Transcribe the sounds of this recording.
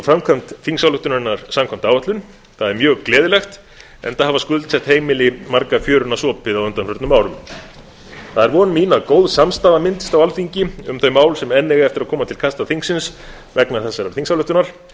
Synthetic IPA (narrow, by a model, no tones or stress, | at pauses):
fɾamkʰamt̪θiŋsawlʏht̪ʏnaɾɪnaɾ̥samkʰɔm̥t̪aːwvat̪lʏn | θaðɛɾmjœːɣklɛːðɪlɛxt̪ | ɛ̰nθahavaskʏðlt̪sɛht̪heːjmɪlɪmaɾkafjœːɾʏnasɔːpɪðawʏnt̪anfʏɾt̪nʏmːaːwɾʏm | θaðɛɾvɔːnmiːnakoːwðsamst̪aːðamɪnt̪ɪ̥st̪awalfiɲcɪʏmθœɥmaːwlsɛmɛnːɛɣaɛft̪ɪɾaðkʰɔːmat̪ʰɪlkʰast̪aθiŋksɪns | vɛknaɾθɛsːaɾaɾ̥θiŋsawlʏht̪ʏnaɾ̥